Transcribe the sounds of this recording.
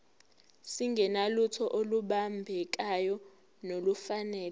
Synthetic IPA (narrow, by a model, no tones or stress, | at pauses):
siŋɡʱɛnalutʰɔʔoluɓambʱɛk̬ajɔ | nolufanɛːlɛ